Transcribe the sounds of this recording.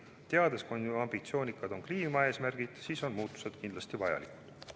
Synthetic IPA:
t̪e̞ɑd̪̥e̞skunuɑmb̥it̪sio̞ːnikːˑɑd̪̥o̞nkliːmɑe̞ːsmærɡ̥id̪̥siːso̞nmuːt̪ːˑu̥se̞d̪̥kind̪lɑst̪ivɑjɑ̰liku̥d̪̥

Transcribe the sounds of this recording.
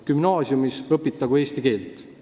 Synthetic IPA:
kymnɑːsjumisɤpːˑit̪ːˑɑɡue̞ːst̪ike̞ːlt̪ˑ

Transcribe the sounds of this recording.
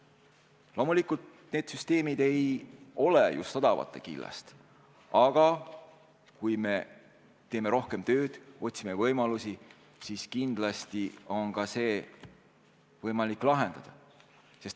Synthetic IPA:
lo̞mulikˑult̪ | ne̞ːd̪̥syst̪e̞ːmid̪e̞jo̞lejṵst̪ɑd̪ɑvɑ̰t̪ːˑe̞̰kilːɑ̰st̪ | ɑɡ̥ɑ | kujme̞ | t̪e̞ːme̞ɾo̞hke̞mt̪ø̞ːd̪̥o̞t̪ʲsime̞vɤjmɑlusi | siskind̪̥lɑst̪io̞nkɑse̞ː | vɤjmɑlikːˑlɑɦe̞nd̪̥ɑd̪̥ɑ | se̞st̪

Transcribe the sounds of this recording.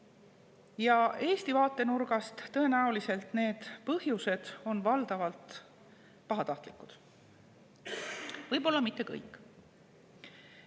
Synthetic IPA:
jɑe̞ːst̪ivɑːt̪ːˑe̞nurɡ̥ɑst̪ːɤ̞e̞næulise̞lt̪ne̞ːd̪̥pɤhjuse̞d̪̥o̞nvɑld̪̥ɑvɑlt̪ | pɑɦɑt̪ɑht̪likːˑud̪̥ | vɤjbo̞lːɑmit̪ˑːe̞kɤ̰jkːˑ

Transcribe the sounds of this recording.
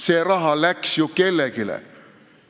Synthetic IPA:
seːrɑɦɑlæksjukelːekilḛ

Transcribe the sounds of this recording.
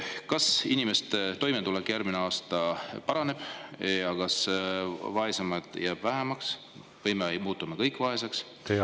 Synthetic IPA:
kɑsinimest̪et̪o̞jme̞t̪ulekːjærɡmineɑːst̪ɑpɑɾɑne̞b̥jɑkɑs | vɑesemɑd̪̥jæːb̥væɦemɑks | vɤjmejmuːt̪ːˑumekɤjkːˑvɑɦe̞seks | te

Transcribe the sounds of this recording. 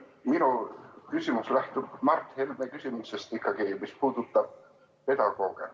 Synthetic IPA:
minukysʲimuslæht̪ub̥mɑrt̪ːhelmekysʲimisest̪ikːɑɡ̥imispuːd̪̥ut̪ːˑɑb̥̚ | pe̞d̪̥ɑɡ̥o̞ːɡ̥ḛ

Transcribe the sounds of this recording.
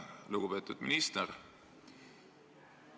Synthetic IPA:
luɡ̥upe̞ːt̪ːˑud̪̥mḭnist̪er

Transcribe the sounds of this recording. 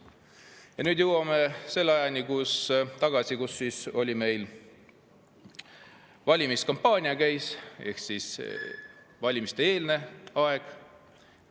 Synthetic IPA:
jɑnyːd̪jɨwɑmese̞lːɑjɑnʲikust̪ɑɡ̥ɑsikusːiːso̞lʲime̞jl | vɑlʲimiskɑmpːɑːnʲiɑkæjse̞̰hksis | vɑlʲimist̪ee̞ːlne̞ɑe̞ɡ̥

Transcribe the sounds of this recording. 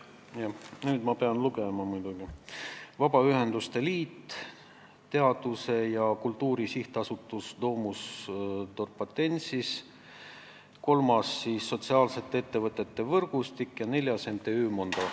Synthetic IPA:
jɑnyːd̪̥mɑpe̞ɑnluɡe̞mɑmujd̪̥uɡ̥ivɑbɑyɦe̞nd̪̥ust̪e̞liːt̪ː | t̪ːe̞ɑd̪̥use̞jɑkult̪ːˑuːɾisiht̪ɑsut̪ːˑuslo̞ːmust̪orpːɑt̪ːe̞nʲsis | ko̞lmɑsːiːsːo̞t̪ʲsiɑːlse̞t̪ːee̞t̪ːe̞vɤt̪ːˑe̞t̪ːe̞vɤrɡ̥ust̪ikːjɑne̞lʲjɑsent̪ːˑe̞yːmond̪̥ɑ

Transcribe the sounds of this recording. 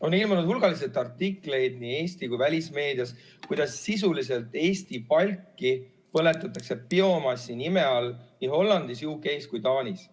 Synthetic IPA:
o̞nilmɑnud̪hulɡ̥ɑlis̬et̪ːˑɑrt̪ːikːˑle̞jd̪nie̞ːsʲt̪ikujvælʲisme̞ːd̪̥iɑs | kujd̪̥ɑsːis̬ulise̞lt̪ːˑe̞ːst̪ipɑlʲkˑːi | pɤ̞le̞t̪ːˑɑt̪ːˑɑkse̞pio̞mɑsːinime̞ɑlniɦo̞lːɑnd̪̥isjuuːke̞jskujt̪ɑːnʲis

